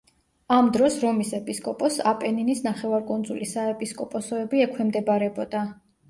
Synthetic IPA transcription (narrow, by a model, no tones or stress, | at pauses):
amd̪ɾɔsɾɔmisɛpʼiskʼɔpʼɔsapʼɛninisnaχɛvaɾkʼund̪zulisaɛpʼiskʼɔpʼɔsɔɛbiɛkʰwɛmd̪ɛbaɾɛbɔd̪a